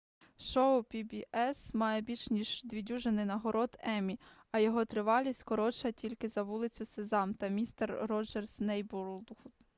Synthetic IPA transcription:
ʃɔʊpʲibʲiʔɛsmɑjɛbʲit͡ʃnʲiʒd̪ʋʲidʲuʒenɪjnɐɦɔɾɔd̪ɛmʲi | ɐjɔɦɔt̪ɾɪʋɑlʲisʲtʲkɔɾɔt͡ʃɐtʲilʲkɪzɐʋulˠɪt͡sʲʊsezɑmt̪ɐmʲist̪ɛrːɔd͡ʒɛrsnɛjbuɾd̪xud̪

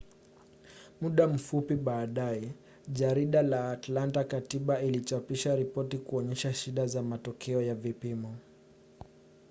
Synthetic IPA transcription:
muɗam̩fupiɓaːɗaɛ | ʄaɾiɗalaːtlantakatiɓailit͡ʃapiʃaɾipɔtikuɔɲɛʃaʃiɗazamatɔkʰɛɔjavipimɔ

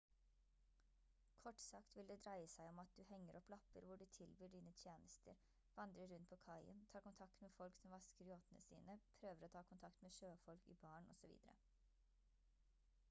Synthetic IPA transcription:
kʰɔʈːsɑkt̪ʋɪld̪ɛːd̪ɾæɪəsæɪɔmɑt̪̚d̪ʉhɛŋːəɾʔɔplɑpəɾʋʊɖʉːt̪ʰɪlbyːɖiːnət̪ʰjeːnəst̪ə̰ɾ | ʋɑnd̪ɾəɾːʉnt̪̚pʰɔːkʰɑɪə̰nt̪ʰɑːɾkʊnt̪ʰɑk̚t̪meːfɔlksɔmʋɑskəɾɪoːt̪ənə̰sḭːnəpʰɾøːʋəɾoːt̪ʰɑːkʰʊnt̪ʰɑkt̪meːʃøːfɔlkḭːbɑːɳɔ̰sɔʋḭːd̪əɾə̰

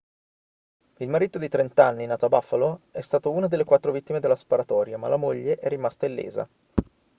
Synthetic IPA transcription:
ilmaɾiːt̪od̪it̪ɾent̪anːinaːt̪oabafːaloɛst̪aːt̪ounad̪elːekwat̪ːɾovit̪ːimed̪elːaspaɾat̪ɔːɾjama̰lamoʎːeʔɛrːimast̪ailːḛːza̰

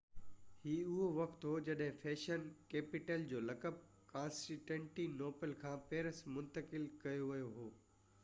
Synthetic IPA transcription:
hiːʊɦoʋɐkt̪ɦoːd͡ʑɐɗɦɪ̃fʰeːʃənkeːpɪʈəld͡ʑoːlɐkəp̚ | kãːnsʈɪʈə̃ɳʈinoːpəlkʰãːpeːɾəsmʊ̃nt̪əkɪlkɐjoʋɐjoɦoː

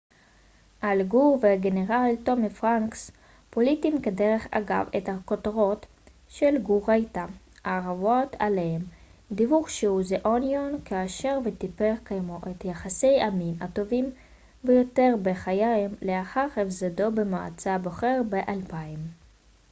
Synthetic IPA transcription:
ʔalɡuʁveɡeneʁalt̪o̞mifʁaŋks | politimkadeʁe̞χa̰ɡa̰vethakotʁo̞t̪ | ʃelɡuʁajt̪a | aʁavot̪ʰalehemd̪ivuχʃeuzeʔonjonkaːʃe̞ʁvet̪ipeʁkajmoʔet̪jaχase̞jʔaminato̞vim | vejo̞te̞ʁbeχajamleaχaʁhefzado̞bemaa̰t͡sabo̞χe̞ʁbeʔalpaim

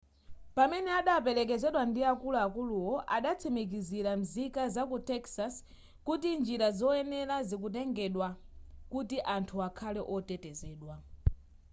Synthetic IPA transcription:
pamɛnɛaɗapɛlɛk̬ɛzɛɗwandiakuluakuluwɔʔaɗat͡sʰɛmik̬iziɾam̩zikazakutɛksas | kutind͡ʒiɾazɔɛnɛlazik̬ut̬ɛŋɡɛɗwakutiʔantʰuakʰalɛʔɔtɛtɛzɛːɗwa

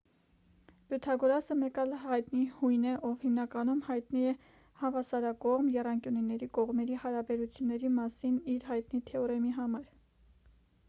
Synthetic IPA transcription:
b̥jut̪ʰɑɡɔɾɑsəmɛkɑlhɑjt̪nihujnɛʔɔvhimnɑkɑnumhɑjt̪niɛ | hɑvɑsɑɾɑkɔʁmjɛrɑŋkjuninɛɾikɔʁmɛɾihɑɾɑbɛɾut͡sʰjunːɛɾimɑsiniɾɦɑjt̪nit̪ʰɛɔɾɛmiɦɑmɑɾ

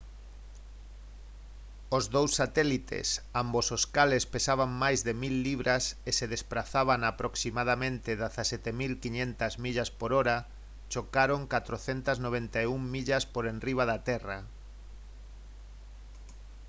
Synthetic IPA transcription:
ozðowsːat̪ɛlit̪ḛsambososkalespesaβaŋmajzðemilːiβ̞ɾʔaseseðespɾaθaβaŋapɾʔoksimaðamẽnt̪ɪðaθasɛt̪emilkiɲẽnt̪ɐzmiʎaspoɾoɾa | t͡ʃokaɾoŋkat̪ɾoθent̪ɐznoβ̞ent̪auŋmiʎaspoɾenriβ̞aðat̪ɛra

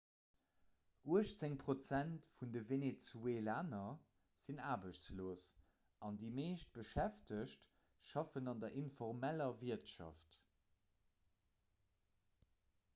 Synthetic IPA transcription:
uəʃt͡seŋpʁot͡sæntfundəvenet͡sueːlaːnɐ | z̥inaːbəʃt͡sloːs | ɑndiːmeːʃt̚b̥əʃæftəʃt | ʃɑfənɑndɐʔinfɔʁmælɐviɐtʃɑ̰ft

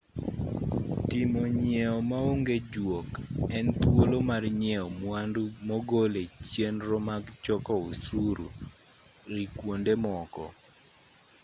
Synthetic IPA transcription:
tɪmoɲɛɔmaoŋɡed͡ʒwokɛnt̪wolomarɲɛɔmwandumɔɡolet͡ʃjenɾɔmaɡt͡ʃɔkɔusuɾṵ | ikwondemɔkɔ̰

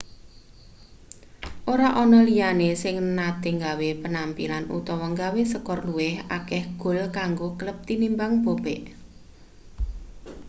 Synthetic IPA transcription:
ʔoɾaʔɔnɔlijanesɪŋnad̪̥eŋɡawepənampḭlanṵt̪ɔwɔŋɡawesəkɔrluwɪhʔakɛhɡ̥o̤lkaŋɡokələp̚t̪inimbaŋb̥o̤bɛʔ

